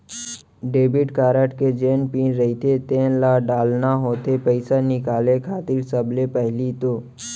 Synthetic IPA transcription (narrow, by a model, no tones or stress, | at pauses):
ɖeːbɪʈkaːɾəʈked͡ʒeːnpĩːnɾɐɦit̪ʰet̪eːnlaːɖaːlnaɦoːt̪epɛɪsanɪkaːlekʰaːt̪ɪlsəblepɛɦlit̪oː